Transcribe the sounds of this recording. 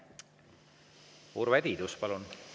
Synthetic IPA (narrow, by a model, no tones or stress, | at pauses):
uːɾvæd̪̥ʲid̪uspɑlun